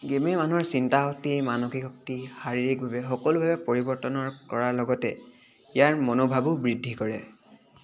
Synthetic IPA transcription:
ɡememanuuɔɹsintaɦɔk̚timanɔxikɔk̚tixaɹiɹik̚bʱabɛxɔkɔlʊbʱabɛpoɹibɔɹtɔnɔɹkɔɹaɹlɔɡɔtɛ | ijaɹmɔnobʱabubɹidʱːikɔɹɛ̰

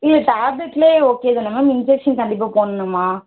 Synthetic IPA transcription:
ɪlːɐʈaːblɛʈːleːoːkːeːðɯnɐmaːmɪnd͡ʒɛkʂɐnkɐɳɖɪp̬ːaːpoːnɐnɐmaː

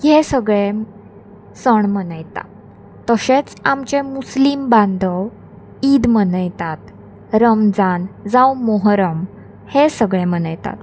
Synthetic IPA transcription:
jesəɡɭe | səɳmənəjt̪a̰ | t̪əɕet͡samt͡ɕemuslimbãnd̪ʱə | id̪mənəjt̪at̪ | ɾəmd͡zand͡zawmoɦɾəm | hesəɡɭẽmənəjt̪a̰t̪

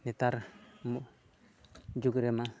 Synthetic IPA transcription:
nit̪aɾm | d͡ʒukɾema

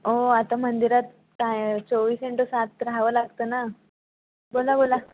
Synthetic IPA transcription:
oat̪amənd̪iɾat̪̚ | kat͡soʋiːseɳʈosat̪̚ːɾaʋəlaɡt̪əna | bolabola

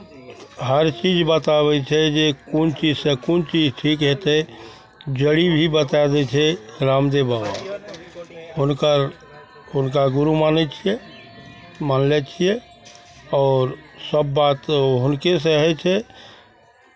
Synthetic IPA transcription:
ɦəɾt͡ʃiːd͡ʒbət̪abɛt͡ʃʰɛd͡ʒekunt͡ʃid͡ʒsekunt͡ʃid͡ʒʈʰiːkɦɛt̪ɦɛ | d͡ʒəɽibʱibət̪ad̪ɛt͡ʃʰɛɾaːmd̪ebaːba | ɦʊnkəɾ | ʊnkaɡʊɾumaːnɛt͡ʃʰie | maːnlɛt͡ʃʰie | ɔːɾsəbːaːt̪ɦʊnkes̬eɦɛt͡ʃʰɛ

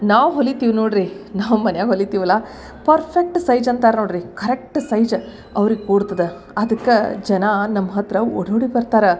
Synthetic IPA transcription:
naːʋɦolːit̪iːʋnoːɽɾinaːʋmɐnjaːɡɦolːit̪iːʋɐlaː | pɐɾpʰek̚ʈsɐjd͡ʒɐnt̪aːɾnoːɽɾikɐɾek̚ʈsɐjd͡ʒ | ɐʋɐɾiɡkuːɽt̪ɐd̪e | ɐd̪ɐkːed͡ʒɐnɐnɐmːɐɦɐt̪ɾɐoɽoːɽibɐɾt̪aːɾe

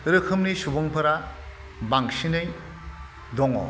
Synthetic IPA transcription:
ɾɯkʰɯmnisubɯŋpʰɯɾa | baŋsinɯj | dɔŋɔ̰

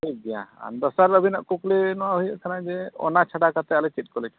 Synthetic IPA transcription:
tʰik̚dɛjã̰a̰nd̪ɔsaɾəbʱinaʔkuklɛnɔwaɦujəʔkʰanad͡ʒɛɔ̰nat͡ʃʰaɖakat̪ɛalɛt͡ʃit̚ˀkɔlɛka

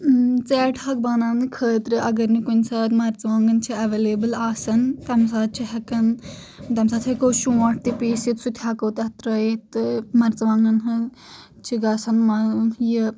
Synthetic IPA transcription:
t͡sɛːʈʰhɐk̚baːnãːnɨkʰəːt̪ɾɨʔɐɡɐɾnikunsaːt̪mɐɾt͡sʋãːŋɡɐnt͡ʃʰiɐʋeːleːbəlaːsɐnt̪ɐmsaːt̪̚t͡ʃʰiɦɐkɐn | t̪ɐmsaːt̪ʰɦɐkoːʃũːaʈ̚ʰt̪ipiːsit̪sut̪ʰaːkoːt̪ɐt̪ɾɐjet̪ɨmɐɾt͡sʋãːŋɡɐnɦɨ | t͡ʃʰiɡaːsɐnmaji

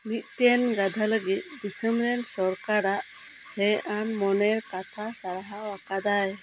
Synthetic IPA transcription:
mit̪̚ˀt̪ɛnɡad̪ʱaləɡit̪̚ˀd̪isəmɾɛnsɔɾkaɾaʔ | hɛʔanmɔnɛɾkat̪ʰasaɾaɦawakad̪aj

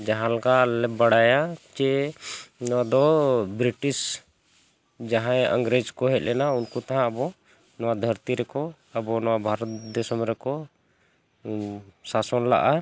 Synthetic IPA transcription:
d͡ʒaɦãlɔɡalɛbaɽajat͡ʃɛ | nɔwad̪ɔbɾiʈis | d͡ʒaɦãjə̰ŋɡɾed͡ʒkɔɦɛ̰t̪̚lɛnaunkut̪aɦãabɔ | nɔwad̪ʱəɾt̪iɾɛkɔ | abɔnɔwabʱaɾɔt̪d̪ɔsɔmɾɛkɔ | sasɔnla̰ʔa

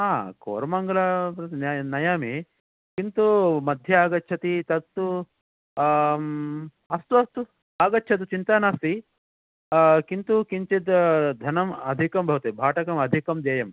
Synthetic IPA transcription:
ɦaːko̰ːɾɐmɐŋɡɐlɐnnɐjaːmi | kint̪umɐd̪ʱjɐaːɡɐtːt͡ʃʰɐt̪it̪ɐt̪ːu | ɐst̪uɐst̪u | aːɡɐtːt͡ʃʰɐt̪̬ut͡ʃint̪aːnaːst̪i | kint̪ukiɲt͡ʃid̪d̪ʱɐnɐmɐd̪ʱikɐmbʱɐʋɐt̪ebʱaːʈɐkɐmɐd̪ʱikɐmd̪jeːjɐm

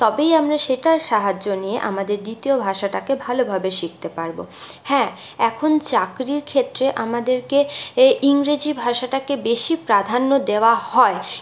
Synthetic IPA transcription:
t̪ɔbejamɾaʃeʈaɾʃaɦad͡ʑʑonijeʔa̰mad̪eɾd̪it̪iobʱaʃaʈakebʱalobʱabeʃik̚t̪epaɾbo̰ | hɛ̃ | ɛkʰont͡ɕakɾiɾkʰet̪ːɾeʔamad̪eɾkeʔiŋɾed͡ʑibʱaʃaʈakebeʃipɾad̪ʱanːod̪eoahɔe

